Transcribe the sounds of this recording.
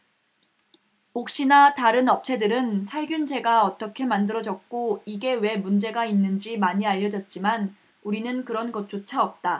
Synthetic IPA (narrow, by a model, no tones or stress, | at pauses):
ok̚ɕ͈inataɾɯnʌp̚t͡ɕʰe̞dɯɾɯnsʰaɭɡjund͡ʑe̞ɡaʌt͈ʌkʰe̞mandɯɾʌd͡ʑʌk̚k͈oiɡe̞we̞mund͡ʑe̞ɡainːɯnd͡ʑimaɲiaʎːʌd͡ʑʌt̚t͡ɕ͈iman | uɾinɯnkɯɾʌnɡʌt̚t͡ɕ͈ot͡ɕʰaʌp̚t͈a